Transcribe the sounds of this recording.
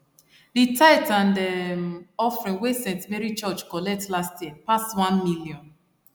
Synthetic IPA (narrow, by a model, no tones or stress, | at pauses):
ditaɪtãndə | ɔfɹĩnwesɛ̃ntmɛɹit͡ʃɔt͡ʃkɔlɛk̚tlastjiəpastwãnmiliɔ̃n